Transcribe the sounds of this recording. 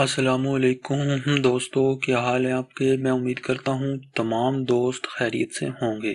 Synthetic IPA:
ɐsɐlaːmuɐleːkʊmɦd̪oːst̪okaɦaːlẽaːp̚kemɛ̃ʊmiːd̪kɐɾt̪aɦũt̪ɐmaːmd̪oːst̪xɛːɾḭjət̪sḛɦõːŋɡeː

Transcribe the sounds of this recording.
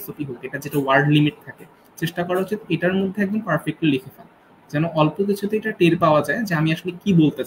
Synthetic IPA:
sopiɦokeʈad͡ʑeʈawaɾɖlimiʈ̚t̪ʰake | t͡ɕeʃʈakɔɾaot͡ɕid̪eʈaɾmod̪ʱːeɛk̚d͡ʑonpaɾfek̚ʈolikʰefal | d͡ʑɛnoʔɔlpok̬it͡ɕʰut̪eeʈaʈeɾpaoad͡ʑaed͡ʑeamiaʃolekibolt̪et͡ɕa

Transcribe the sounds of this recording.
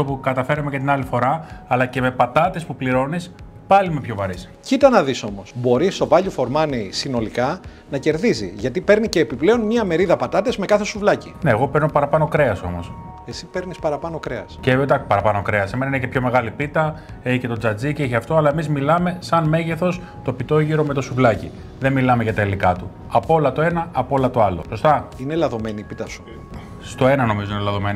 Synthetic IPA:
opukɐt̪ɐfe̞ɾɐmecet̪inɐlifo̞ɾɐːlɐce̞me̞pɐt̪ɐt̪e̞spupliɾo̞nis | pɐlimepço̞vɐɾis | cit̪ɐnɐðiso̞mo̞sbo̞ɾist̪o̞vɐʎufo̞ɾmɐnisino̞likɐ | nɐce̞ɾðizḭʝɐt̪ipe̞ɾnice̞ːpiple̞o̞nmɲiɐme̞ɾiðɐpɐt̪ɐt̪e̞zme̞kɐθe̞suvlɐcineːɣo̞peɾnopɐɾɐpɐnokɾe̞ɐso̞̰mo̞s | e̞sipe̞ɾnispɐɾɐpɐnokɾe̞ɐsced̪ɐkpɐɾɐpɐnokɾeɐseme̞nɐinece̞pço̞me̞ɣɐlipit̪ɐ | ece̞t̪o̞d͡zɐd͡ziceeçeɐft̪o̞ɐlɐe̞mizmilɐme̞sɐnme̞ʝe̞θo̞s | t̪o̞pit̪o̞ʝiɾo̞me̞t̪osuvlɐci | ðe̞nmilɐme̞ʝɐt̪ɐilikɐt̪u | ɐpo̞lɐt̪o̞e̞nɐʔːpo̞lɐt̪o̞ɐlo̞̰so̞st̪ɐinelɐðo̞me̞nipit̪ɐsu̥ | st̪o̞enɐno̞mizoinelɐðo̞me̞ni

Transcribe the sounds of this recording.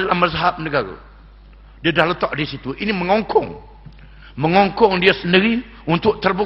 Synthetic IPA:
alahməzaɦap̚nəɡaɾa̰ | diadahlət̪aʔdisit̪uʔiniməŋɔŋkʰɔŋ | məŋɔŋkɔŋdiasəndiɾi | unt̪ʊʔ̚t̪ərbu

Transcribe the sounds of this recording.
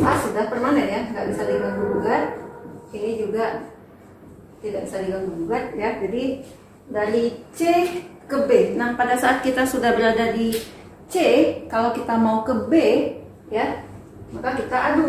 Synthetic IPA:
asudahpərmanənjaŋɡaʔbisadiɡaŋɡuɡat̪̚ed͡ʒuɡaʔ | t̪idaʔbisadiɡaŋɡuɡat̪̚jad͡ʒadi | dalit͡ʃekəbɪhnahpadasaʔat̪̚kit̪asudahbəɾadadi | t͡ʃekalakit̪amaukəbɪʔ | ja | makakit̪aʔadu

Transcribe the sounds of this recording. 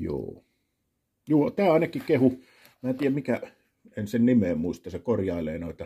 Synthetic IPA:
jo̰ː | juːt̪æːɑˑenɑkikehu | mæːt̪iːjæmmikæ | ensennimeːmmuist̪ɑsekorjɑˑeleːnoˑet̪ɑ

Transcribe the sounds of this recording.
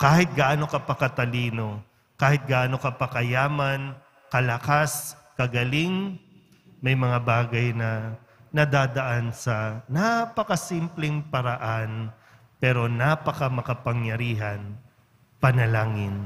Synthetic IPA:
kaːhɪt̪̚ɡɐʔaːnokɐpɐkɐt̪ɐliːno̞ | kaːhɪt̪̚ɡɐʔaːno̞kɐpɐkɐjaːmɐn | kɐlɐkas | kɐɡɐlɪŋ | mɐjmɐŋabaːɡɐjnɐ | nɐd̪aːd̪ɐʔansɐnapɐkɐsimplɛŋpɐɾɐʔan | pɛːɾo̞naːpɐkɐmɐkɐpɐŋjɐɾiːɦɐn | pɐnɐlaːŋɪn

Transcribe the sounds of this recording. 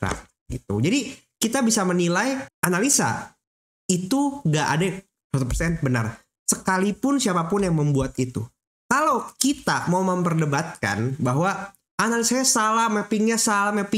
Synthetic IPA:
ka̰t̚ | it̪ṵd͡ʒadi | kit̪abisamənilajanalisa̰ | it̪uŋɡaʔa̰da | sat̪ɔpərsɛn̚bəna̰r | səkalipʊnsiapapʊnjaŋməmbuat̪it̪ṵ | kalokit̪amauməmpərdəbat̪̚ka̰nbaɦwa | analisaɲasalahmɛpɪŋɲasalamɛpɪ

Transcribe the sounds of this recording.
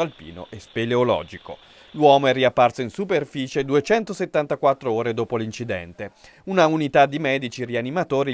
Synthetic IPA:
alpḭːno̰ʔespeleolɔ̰ːd͡ʒiko̰ | lwɔːmoɛrːiapːarsoinsuperfiːt͡ʃed̪uet͡ʃɛnt̪oset̪ːant̪akwat̪ːɾooːɾed̪oːpolint͡ʃid̪ɛ̰nt̪e | unaunit̪ad̪ːimɛːd̪it͡ʃirianimat̪oːɾi

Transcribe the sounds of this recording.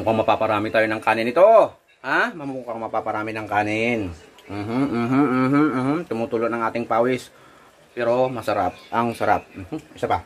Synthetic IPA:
ŋkaŋmapapaɾamit̪awinaŋkanɪnit̪o | hahmamuŋkaŋmapapaɾaminaŋkaninm̩ɦ̩ɦɦ̩ːɦm̩t̪əmut̪uluʔnaŋat̪ɪŋpawɪs | piɾomasəɾap̚aŋsəɾa̰p̚m̩ɦ̩isəpa

